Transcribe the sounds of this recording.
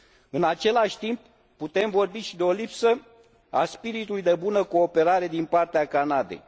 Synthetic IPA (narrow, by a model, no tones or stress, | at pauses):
ɨnat͡ʃe̞laʃʲt̪imp̚ː | ut̪e̞mvo̞rbiʃid̪eo̞lipsə | a̰spiɾit̪ulujd̪e̞bunəko̞ːpe̞ɾaɾe̞d̪inpart̪eakanad̪ḛj